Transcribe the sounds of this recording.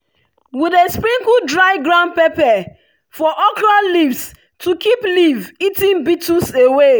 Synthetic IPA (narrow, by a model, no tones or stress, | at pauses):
widespɹĩŋkudɹaɪɡɹãʊ̃nd̚pepɛ | fɔʔɔklalivs | tʰukʰiplivitĩŋbitusewe